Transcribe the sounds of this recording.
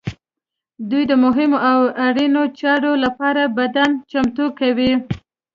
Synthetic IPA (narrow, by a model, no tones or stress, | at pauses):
d̪ujd̪əmʊɦɪmoʔawaɽinot͡ʃɑɾolapɑɾabad̪ant͡ʃamt̪ukawi